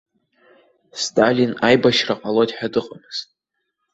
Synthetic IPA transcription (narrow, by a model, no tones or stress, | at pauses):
stʼalinajbaʃraqʼalotʼħᶣadɨqʼamɨz̥tʼ